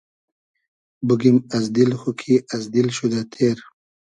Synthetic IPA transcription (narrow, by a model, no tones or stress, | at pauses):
buɡimazd̪ilxukʰiazd̪ilʃud̪at̪ʰeɾ